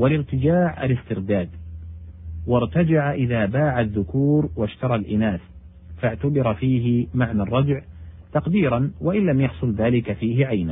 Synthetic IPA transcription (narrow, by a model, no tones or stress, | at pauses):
walɪɾt̪ɪd͡ʒaːʕa̰lɪst̪ɪɾd̪aːd̪ | wɑɾˤt̪ad͡ʒaʕaʔɪðaːbaːʕaðːʊkuːɾwaʃt̪ɑɾˤɑlʔɪnaːs | faʕt̪abɪɾˤfiːɦɪmaʕnarˤːɑd͡ʒʕt̪ɑqd̪iːɾɑnwaʔɪnllamjɑħsˤʊlðaːlɪkafiːɦɪʕajna